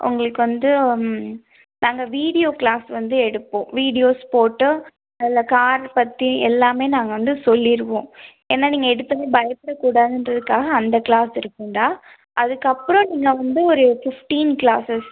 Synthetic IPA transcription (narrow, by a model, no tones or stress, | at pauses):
ʔʊ̰ŋɡɐɭɯkːɯʋɐnd̪ɯ | naːŋɡɐʋiːɽɪjoːkɭaːsʋɐnd̪ɯɛɽɯpːõːʋiːɽɪjoːspoːʈːɯ | ɐɪlːɐkaːɾpɐt̪ːiɛlːaːmeːnaːŋɡɐʋɐnd̪ɯsɔlːɪɾɯʋõː | eːnːaːniːŋɡɐɛɽɯt̪ːɐmeːbɐjɐpːɪɽɐkːuːɽaːðɪndɾɐðɯkːaːɣɐːnd̪ɐkɪɭaːsɪɾɯkːʊɳɖaː | ʔɐðɯkːɐpːɯɾɔ̃niːŋɡɐʋɐnd̪ɯɔɾɯfɪfʈiːnkɭaːsɐs